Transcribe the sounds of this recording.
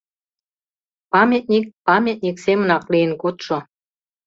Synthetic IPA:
pɑmʲet̪̚nʲik̚pɑmʲet̪̚nʲiksemə̆nɑklijə̆nkot̪ʃŏ

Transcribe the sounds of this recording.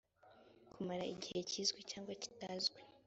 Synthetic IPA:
kʰumaɾaiɟihe̞ciːzɡwicaːŋɡwaci̥tazɡwe

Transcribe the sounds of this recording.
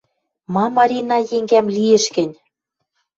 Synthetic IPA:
mɑmɑɾʲinɑjeŋɡæmliĕʃkɘ̆nʲ

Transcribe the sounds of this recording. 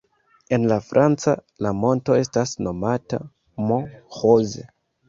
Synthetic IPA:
e̞nlafɾʔant͡sa | lamo̞nto̞e̞stasno̞mata̰ | mohozḛ

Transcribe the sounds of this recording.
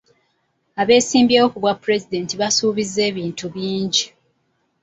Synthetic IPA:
aβe̞ːsiːmbjeːokuβwapːuɾe̞zide̞ːntiβasuːβize̞ːβiːntuβiːɲɟi

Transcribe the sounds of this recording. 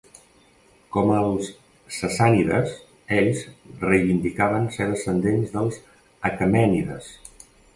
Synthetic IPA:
kɔməlˠsː | əsaniðə̰s | eʎzrəjβind̪ikaβənseðəsənd̪enzðəlˠz | əkəmɛniðə̰s

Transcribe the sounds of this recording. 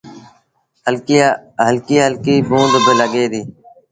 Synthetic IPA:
ɦəlkiːɦəlkiːbũːd̪bɪləɠeːd̪iː

